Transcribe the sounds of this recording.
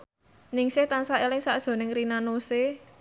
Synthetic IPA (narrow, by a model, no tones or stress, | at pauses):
nɪŋset̪ansaelɪŋsaʔd̥ʒ̥ɔ̤nɪŋrinanose